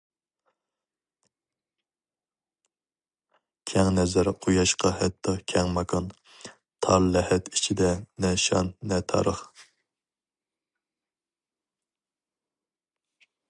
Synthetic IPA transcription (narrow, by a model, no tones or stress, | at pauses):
kʲʰɛŋnɛzæɾqʰojɑʃqʰɑhɛt̪ʰːɑkʲʰɛŋmɑkʰɑn | t̪ʰɑɾlɛhɛt̪ʰit͡ʃʰid̪ɛnɛʃɑ̰nːɛt̪ʰɑ̰ɾəχ